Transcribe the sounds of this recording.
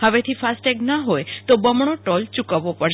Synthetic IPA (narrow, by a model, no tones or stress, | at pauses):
ɦəʋet̪ʰifasʈeknaɦojt̪obəmɽ̃oʈɔlt͡ʃukəʋopəɽʃ